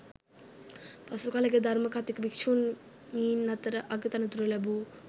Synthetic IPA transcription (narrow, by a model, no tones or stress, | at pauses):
pɐsukalɐɡed̪ʱɐɾmɐkat̪ikbikt͡ʃʰun | iːnːɐt̪ɾʔɐɡət̪ɐnɐt̪uɾɐlɐbu